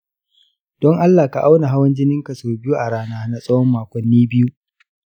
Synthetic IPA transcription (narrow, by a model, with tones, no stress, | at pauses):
d̥ɔ˦ŋʔa˦lːaː˨ka˨ʔa˦wna˨ɦa˦wɐ˦nd͡ʒɪ˦nɪ˦ŋka˨soː˨bɪ˦ju˦ʔa˨ɽaː˦naː˦na˨sʼɐ˦wɔ˦mːaː˨kʷɔ˨nːiː˦bɪ˦ju˦ʔ